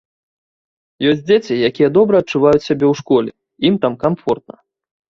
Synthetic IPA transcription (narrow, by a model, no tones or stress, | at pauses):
jɔsʲtʲd͡zʲet͡sʲijakʲijɛd̪ɔbɾɐɐt̚t͡ʂuvajut͡sʲsʲabʲɛwʂkɔlʲɛ̰ | imt̪amkamfɔrt̪̚nɐ̰